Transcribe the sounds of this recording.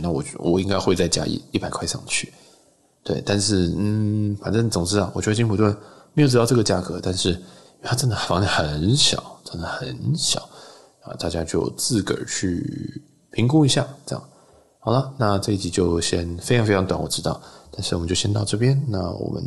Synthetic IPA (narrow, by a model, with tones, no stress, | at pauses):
na˥˩wɔ̰˨˩wʔɔ̰˨˩i˥ŋka˥ɪxwe˥˧t͡sa˥˩ɪt͡ɕja̰˥ḭ˧˩i˥˩pa˨˩ɪkʰwa˥˧ʂɑ̰˥˩ŋt͡ɕʰy̰˥˩ | t̪we˥˩ɪt̪a˥˧nʂɻ̩˥˩n̩˥˩fa˨˩nʈ͡ʂə˥˩nd̪ə˩t͡sʊ˨˩ŋʈ͡ʂɻ̩˥a˨˩wɔ˨˩t͡ɕɥ̪ə˧t͡ɕi˥npʰu˨˩t̪wə˥˩nme˧˥jo˧˩ʈ͡ʂ̬ɻ̩˥˧t̪ʊʈ͡ʂɤ˥˩ɡə˩t͡ɕja˥˩kʰɤ˧˥t̪a˥˧nʂɻ̩ʰ˥˩˨ | a˥˩ʈ͡ʂə˥nd̪ə˩fɑ˧˥ŋli˧˩xə˨˩˦nɕjɑ̰˨˩˦ʊʈ͡ʂə˥nd̪ə˨˩xə˨˩˦nɕjɑ̰˨˩˦ʊ˥ | xt̪a˥˩t͡ɕja˥t͡ɕjo˥˧ʊt͡sɹ̩˥˩kə̰˞˨˩t͡ɕʰy˥˩ | pʰi˧˥ŋku˥i˧˥ɕja˥˩ʈ͡ʂə˥jɑ̰˨˩ŋ | xɑ˨˩ʊlə˦na˥˧ʈ͡ʂɤ˥˧i˥˩t͡ɕi˧˥t͡ɕjo˥˧ʊɕjɛ˥nfe˥ɪʈ͡ʂʰɑ˥ŋfʰɑ˧˥ŋt̪wa˨˩nwɔ˨˩ʈ͡ʂɻ̩˥t̪ɑ˥˩ʊt̪a˥˧nʂɻ̩˥˩wɔ˨˩ə˦t͡ɕo˥˧ʊɕjɛ˥nt̪ɑ˥˧ʊʈ͡ʂɤ˥˩pjɛ˥nna˥˩wɔ̰˨˩mʔə̰˦n